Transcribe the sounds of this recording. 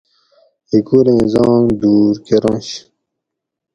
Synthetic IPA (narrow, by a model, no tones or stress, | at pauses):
hikuɾẽːzɑːŋd̪uːɾkeɾɑ̃ɕ